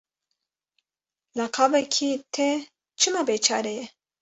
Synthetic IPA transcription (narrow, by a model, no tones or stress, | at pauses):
lɐqʰavɛkʰit̪ʰe | t͡ʃʰɨmabeːt͡ʃʰɑ̰ːɾejɛ